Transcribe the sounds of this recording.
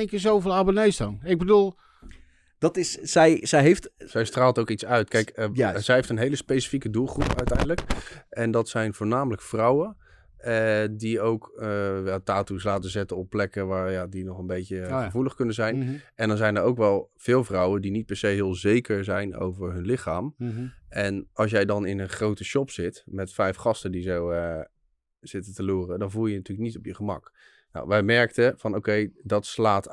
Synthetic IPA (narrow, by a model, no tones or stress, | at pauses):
ŋkɪzowvɪlˠabənejsdɔnɪɡ̚bədulˠ | d̥ɑtɪssɛjzɛjɦejftzɛjstraːlˠtowkitsœɥtkɛjkzɛjɦejftənɦejləspejsi̥fikədulˠχrupœ̰ɥtɛjndələkʔɛndɑtsɛjnvʊːɹnaːmələkfrɑwən | diowkəjataːtuslaːtəzɛtəɔpːlɛkəʋaːɹjadinɔχənbejtəχəvuləχkɵnəzɛjnɛndɑnzɛjnəɹowkʋɛlˠv̥ɪːlˠvrʌwəndinit̚pɛɹsejɦɪːlˠzejkəɹzɛjno̰wvəɹɦɵnlɪχaːmʔɛnɑlˠs̬jɛjdɑnɪnənχrowtəʃɔpsɪtmɛtfɛjfχɑstədizowə | z̥ɪtətəluːrədɑnvulˠjənatyːləknitɔpjəχəmɑ̰k | na̰wʋɛjmɛɹktəv̥ɑnowkejdɑtslaːt